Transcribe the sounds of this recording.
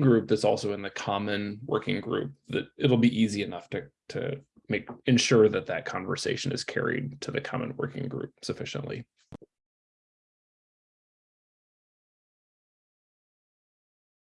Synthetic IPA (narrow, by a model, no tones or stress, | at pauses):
ɡɹʉp̚ðɨtsɔlˠsoʊɨ̃nðɨkʰɑmɨ̃nwɜ̰˞kɪ̃ŋɡɹʉ̰p̚ðɨɾɪɾl̩ˠbiʔiziɨnʌftʰɨtʰɨ̰ | meɪkɨ̃nʃʊɹðɨt̪̚ðɨt̚kʰɑ̃ɱvə˞seɪʃɨ̃nɨ̰z̥kʰɛ̰ɹḭd̚tʰɨðɨkʰɑ̰mə̃nwɜ̰˞kɪ̰̃ŋɡɹʉ̰p̚sɨfɪʃə̰̃nʔlḭ